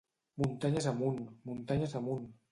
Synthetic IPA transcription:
munt̪aɲazamunmunt̪aɲazamun

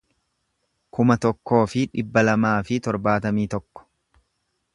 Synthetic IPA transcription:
kʊmɐt̪ɔkːo̞ːfɪᶑɪbːɐlɐmaːfɪt̪ɔɾbaːt̪ɐmiːt̪ɔkːɔ̥

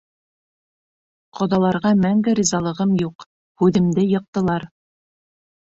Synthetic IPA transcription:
qʰŏðɑlˠɑɾʁɑmæŋɡɘɾizɑlˠɤ̆ʁɤmjuq | hʉðɘ̆md̪ɘjɤ̆q̚t̪ɤ̆lˠɑɾ

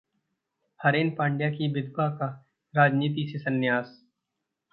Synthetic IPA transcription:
həɾeːnpãːɳɖjaːkibɪd̪baka | ɾaːd͡ʒniːt̪̬isesənːɪjaːs

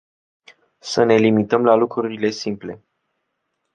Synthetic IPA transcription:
səne̞limit̪əmlalukɾuɾile̞simple̞

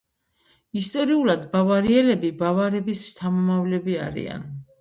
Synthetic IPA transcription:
ist̪ʼɔɾiulad̪bavaɾiɛlɛbibavaɾɛbist̪ʰamɔmavlɛbia̰ɾḭa̰n

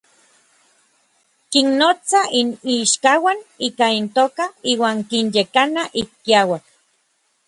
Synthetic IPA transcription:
kinːot͡sainiʃkawaniːkaint̪oːkaiːwaːŋkinjekanaʔikːiawak̚

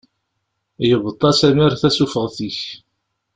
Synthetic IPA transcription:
jəvət̪ˤːɑsæmiɾθæsufəʁθiç

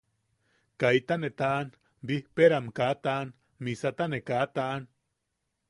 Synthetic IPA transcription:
kait̪anet̪aʔn | bihpeɾamkat̪aːn | misat̪anekat̪aʔːn

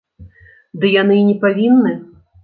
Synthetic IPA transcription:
d̪ɨjanɨnʲɛpavʲinːɨ

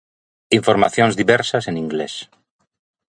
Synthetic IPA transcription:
iɱfoɾma̰θjõnzðiβɛɾsasenĩŋɡles

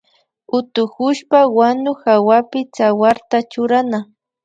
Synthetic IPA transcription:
ʊt̪ʊkʊʃpawanʊxawapɪt͡sawaɾt̪at͡ʃʊɾana

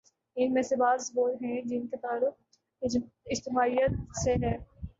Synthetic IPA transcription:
ɪnmẽsebaːzsbuːɾɦɛ̃d͡ʒɪnket̪aːlʊk | ɪd͡ʒt̪ɪmaːijət̪̚seɦɛː

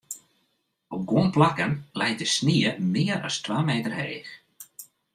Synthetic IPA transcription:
ɔp̚ɡunplakənlɛjtəsniːəmɪːəɾa̰stʋaːmejtərhejx

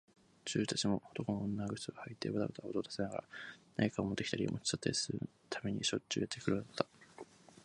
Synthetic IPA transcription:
t͡ɕɨːt̪at͡ɕimo̞ot̪o̞konoõnːaɡɯ̟̥t͡sɨɡahait̪ːeβat̪abet̪aot̪oːd̪ḁsenaɡa̰ɾa̰na̰ɲikaomod̪e̞kʲi̥t̪aɾʲio̰mo̰t͡ɕi̥t͡ɕat̪ːaɾʲisɨɾɯ̰t̪ʰame̞ɲ̟iɕo̞ɨ̰ːjat̪ːekɯɾɯnd̪at̪ːa

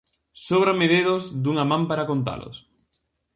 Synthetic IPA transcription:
soβɾameðeðozd̪uŋamãmpaɾakont̪a̰lʊ̰s

